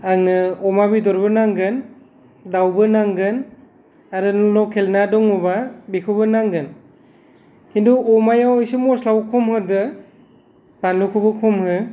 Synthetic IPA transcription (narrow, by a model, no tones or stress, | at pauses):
aŋnɯɔmabidɔɾbɯnaŋɡɯn | dawbɯnaŋɡɯn | aɾɯnɔnɔwkʰelnadɔŋɔbabikʰɯbɯnaŋɡɯn | kintʰɔɔmajawjsɯmɔslawkʰɔmhɯdɯ | panukʰubɯkʰɔmhɯ